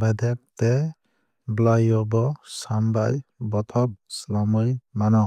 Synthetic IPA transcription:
bʱad̪ek̚t̪e | blajɔbɔsambajbɔt̪ʰɔb̚slamɯjmanɔ

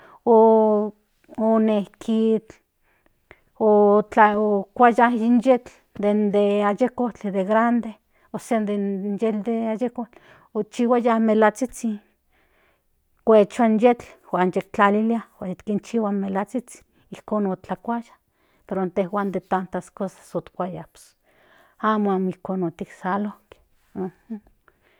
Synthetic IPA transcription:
o | onehkʰit͡ɬ | ot͡ɬaokʷajahinjet͡ɬ | d̪end̪eajekot͡ɬd̪eɣɾand̪e | oseand̪enjeld̪eajekot͡ɬ | ot͡ʃiwajamelat͡sit͡si | kʷet͡ʃoanjet͡ɬwanjekt͡ɬaliliawait̪kint͡ʃiwamelat͡sit͡si̥ | ihkonot͡ɬakʷajḁ | peɾont̪ehwand̪et̪ant̪askosḁsot̪kʷajaps | amoamihkonot̪iksalohke̥ | oho

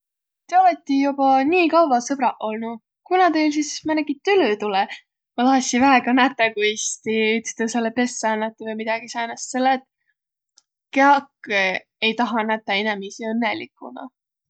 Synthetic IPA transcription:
t̪eɑvet̪ːˑijubɑniːkɑwvɑsɤb̥ɾɑʔo̞lnu | kunɑt̪els̬ismæneɡit̪ːylyt̪ulɛ | mɑlɑsʲivæeɡɑnæt̪ːˑekuist̪iyt̪st̪ɑselːepe̞sːɑnːɑt̪ːuvejmid̪̥ɑɡ̥isɑnɑst̪selːet̪ | keɑkː | e̞jt̪ɑɦɑnæt̪ːˑɑinɛmisiɤnːelikːˑṵnɑ̰

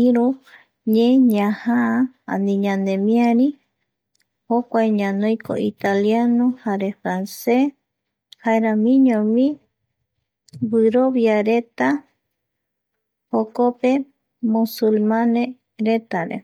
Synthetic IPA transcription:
iɾu | ɲẽɲãhaa | a̰nĩɲãnd̪ẽmĩaɾi | hokʷajɲãnõjko̰it̪aljanõhaɾe̞fɾanse | haeɾamĩɲõmĩ | wɨɾo̞βjaɾe̞t̪a | hokope̞ | musulmãne | ɾe̞t̪aɾḛ

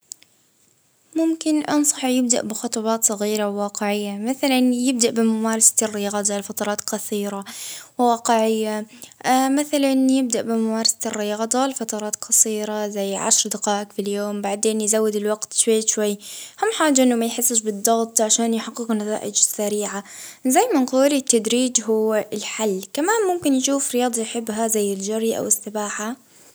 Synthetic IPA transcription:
mʊmkɪnʔɑ̰nsˤɑħjɪb̚d̪a̰ʔbɪxʊt̪ˤɑbɑːt̪sˤɑɣiːɾawːɑːqɪʕɪjːamaθalanjɪb̚d̪aʔbɪmamaːɾˤɑsḁt̪rːɪjɑɣd̪ˤɑlfɑt̪ˤɑɾˤɑːt̪qɑθiːɾawɪwɑːqɪʕɪjːa | mɪθalanjɪb̚d̪aʔbɪmamaːɾˤɑsat̪ɪrːɪjɑɣd̪ˤɑlfɑt̪ˤɑɾˤɑːt̪qɑsˤiːɾazajːʕa̰ʃɾˤd̪ɪqɑːʔɪkfiljoːmbaʕd̪eːnjzawːɪd̪ɪlwaɡt̪ʃwajːʃwajːhʊmːħaːd͡ʒaʔɪnːʊmajħɪsːɪʃbɨd̪ˤːɑɣt̪ˤʕaʃaːnjɪħɑqːɪqnat̪a̰ːʔɪd͡ʒɪsːaɾiːʕazajːmɪnquːlit̪ːad̪ɾiːd͡ʒɦʊwːɪlħalːkamaːnmʊmkɪnjʃuːfɾɪjɑːd̪ˤɑjħɪbːɦazajːɪld͡ʒaɾʔa̰wɪsːɪbaːħa

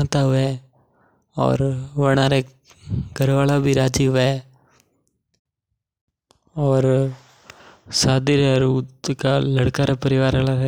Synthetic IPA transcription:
t̪aɦʊʋe | ɔ̰ːɾʋəɽ̃aːɾe | ɡʱəɾʋaːlabʱiɾaːd͡ʒiɦʊʋeɛ | ɔːɾ | saːd̪iɾeɾuːkaləɽkaɾapəɾɪʋaːɾalaɦɛ

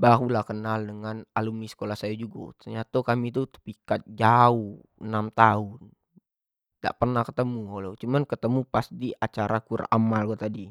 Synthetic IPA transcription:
baɾulahkənaldəŋanalumisə̥kolahsajad͡ʒuɡa̰t̪ərɲat̪okamit̪ut̪əpikat̪̚d͡ʒauh | ənamt̪aʊn | da̰ʔpərnahkət̪əmuolot͡ʃumankət̪əmupast̪iʔat͡ʃaɾʔakura̰malkat̪adi

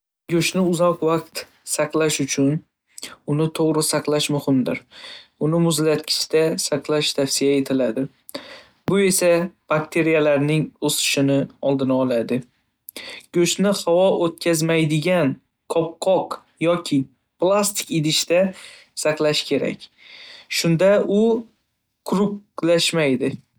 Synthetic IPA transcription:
ɡʲɵʃnɪʊzɒqvɑq̚t̪ | sɑqlˠaʃʊt͡ʃʰʊn | ʊnɪt̪ʰoʁɾɪsaqlˠaʃmʊhɪmd̪ɪɾʊnɪmʊzlat̪̚kʲʰɪ̥ʃt̪asaqlˠaʃt̪ʰafsijae̞t̪ʰɪlad̪ɪ | bʊe̞sab̥akt̪ʰe̞ɾijalaɾnɪŋosɪ̥ʃɪnɪɒlˠd̪ɪnaɒlˠad̪ɪ | ɡ̥ɵʃnɪhawɒʔot̪̚kʲazmajd̪ɪɡʲan | kʰɒp̚qʰɒq | jɒkʲʰɪ | plˠast̪ʰɪ̥kʲɪd̪ɪʃt̪a | saqlˠaʃkʲʰe̞ɾa̰kʲ | ʃʊnd̪aʊ | kʰʊɾʊklaʃmajd̪ɪ

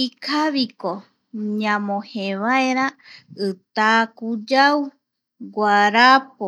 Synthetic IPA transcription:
ikʰaβiko | ɲãmõheβaeɾaɨt̪akud͡ʒaw | ɡʷaɾap̚o

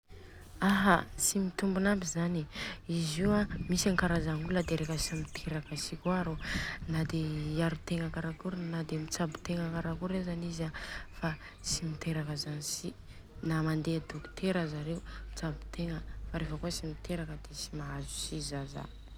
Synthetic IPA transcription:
aɦat͡simit̪umbunabizaniiziwamisaŋkaɾazaŋuləd̪eɾefəsimit̪ʰeɾakəsikuaɾonad̪eiaɾut̪eŋəkaɾakuɾnad̪emit͡sabu̥t̪eŋəkaɾakuɾezanizafa | simit̪eɾakəzanisi | namand̪ead̪okt̪eɾəzaɾeumit͡sabi̥t̪eŋəfaɾefəkuəsimit̪eɾakəd̪esi̥maɦazu̥sizaza̰̥

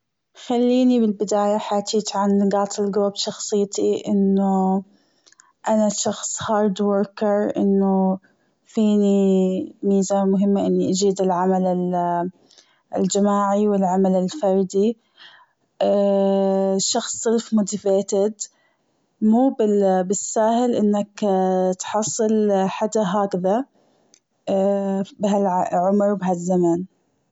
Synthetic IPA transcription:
xalːiːnibɪlbɪd̪aːjaħaːt̪iːt̪ʕanɡɑːt̪ʰˤɪlɡɾuːbʃɑxsˤɨjːt̪ʰiʔɪnːʊ | ʔanaʃɑxsˤhɑːɾˤd̪woɾkɪɾʔɪnːʊ | fiːnimiːzaːɾmʊɦɪmːaʔɪnːiʔad͡ʒiːd̪ɪlʕamalɪ | ɪ̰ld͡ʒamaːʕiwɪlʕamalɪlfɑɾˤd̪i | ʃɑxsˤːɨlfmʊt̪afeːt̪ɪd̪ | muːbɪbɪsːaːhɪlʔɪnːakt̪ħɑsˤːɨlħad̪aɦaːkða | bɪɦalʕʕʊmɾwbɪɦazːaman

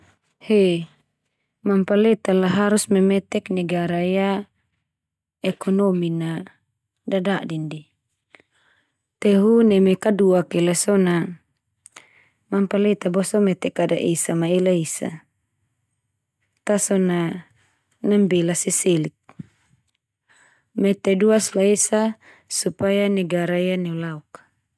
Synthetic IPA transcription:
he | mampalet̪alaɦaɾusmɛmɛt̪ɛknɛɡaɾaja | ɛkʰɔnomina | dadadindi | t̪ɛɦunɛmɛkaduakɛlasɔna | mampalɛt̪abɔsɔmɛt̪ɛkada̰ʔesamaelaisa̰ | t̪asɔna | nambɛlasɛselik̚ | mɛt̪ɛduaslaesa | supajanɛɡaɾaianɛulauk

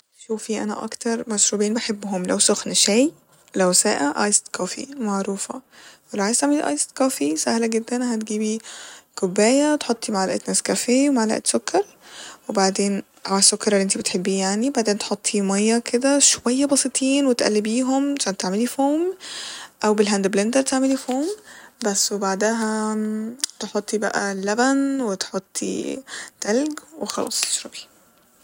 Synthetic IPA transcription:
ʃuːfiʔæ̰næ̰ʔɑ̰kt̪ɑɾˤmæʃɾuːbiːnbeħebːɦomlæ̰wsoxniʃæːj | læwsæːʔæʔɑ̰jst̪kɑːfḭmaʕɾuːfɑ̰welæwʕajst̪aʕmeliʔɑ̰jst̪kɑːfisæhlæɡed̪ːænɦæt̪ɡiːbikobːæːjæt̪ħot̪ˤːimaʕlæʔt̪næskæfeːwemaʕla̰ʔḛt̪sokːɑɾˤ | webaʕd̪eːn | ʔawaʕsːokːɑɾˤelːiʔent̪ibet̪ħebːiːjaʕnibaʕd̪eːnt̪e̥ħot̪ˤːimɑjːɑkʰed̪æʃowæjːæbɑsˤit̪ˤʰiːnwet̪ʔæ̰lːibiːɦomʃænt̪aʕmelifoːm | ʔæwbelɦænd̪eblend̪ælt̪eʕmelifoːmbæsːwebaʕd̪æɦæ | t̪eħot̪ˤːibæ̰ʔæ̰lːæbænwet̪ħot̪ˤːḭt̪ælɡwexɑlɑ̰ːsˤt̪e̥ʃɾɑbi̥

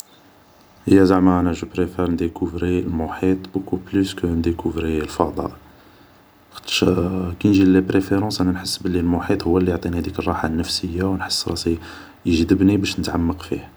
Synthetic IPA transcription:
həjːæzaʕmaʔænæʒəpɾefɛɾnd̪əkuvɾilmʊħit̪ˤbukublyskənd̪əkuvɾilfɑd̪ˤɑ̰ʔ | xt̪ʃkænʒilepɾefeɾɑ̃sʔænænħəsːbəlːilmʊħit̪ˤhʊwːælːijʕt̪ˤinihæd̪ikərˤːɑħanːəfsəjːawnħə̥sːɾˤɑsi | jəʒd̪əbnibæʃnət̪ʕamːəqfḭh

